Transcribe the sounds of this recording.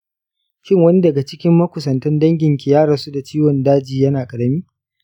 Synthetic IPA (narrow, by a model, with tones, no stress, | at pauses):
kʲɪ˦ŋwɐ˦ni˦dɐ˨ɡa˨t͡ʃɪ˦kʲɪ˦mːɐ˦kʷʊ˨sɐ˨ntɛ˦ndɐ˦ŋɡʲɪ˨ŋkʲɪ˨jaː˦ɽɐ˨nsu˦da˨t͡ʃiː˦wɔ˨ndaː˦d͡ʒiː˨jɐ˦naː˨kʼɐ˨ɽɐ˦miː˦